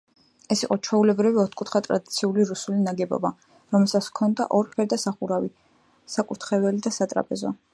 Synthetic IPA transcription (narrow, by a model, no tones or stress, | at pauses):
ɛsiqʼɔt͡ʃʰwɛulɛbɾiviɔt̪ʰkʼut̪ʰχat̪ʼɾa̰d̪it̪sʰiuliɾusulinaɡɛbɔ̰ba | ɾɔmɛlˠsat̪skʰɔnd̪a̰ʔɔɾpʰɛɾd̪asaχuɾavi | sakʼuɾt̪ʰχɛvɛlid̪asat̪ʼɾa̰pʼɛzɔ